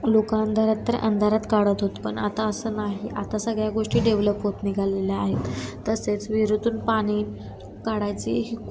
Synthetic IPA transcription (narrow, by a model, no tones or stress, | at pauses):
lokaənd̪ʱaɾat̪ːəɾə̰nd̪ʱaɾat̪kaɽət̪ɦot̪pəɳat̪aəsəːnaɦiʔat̪asəɡɭjaɡoʂʈiːɖeʋləpɦot̪niɡʱaleleaɦet̪t̪ːəset͡sʋiɾud̪ʱuːnpaɽ̃i | kaɽajt͡ɕeɦi